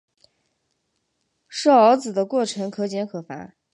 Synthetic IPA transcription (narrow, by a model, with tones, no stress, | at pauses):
ʂɤ˥˩ɑ˧˥t͡sɹ̩˨˩d̪ə˦kwɔ˥˩ʈ͡ʂʰɤ˧˥ŋkʰɤ˧˥t͡ɕjɛ˧˥nkʰɤ˨˩fa̰˧˥